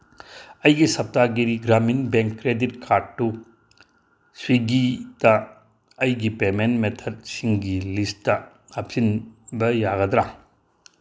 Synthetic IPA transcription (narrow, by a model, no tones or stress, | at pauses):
ɐjɡisɐp̚taɡiɾiɡɾaminbeŋkːɾeditkʰaɾd̚ːu | swiɡitɐ | ɐjɡipemenmetʰɐd̚siŋɡilistːɐ | ɐp̚sinbɐjaɡɐd̪ɾa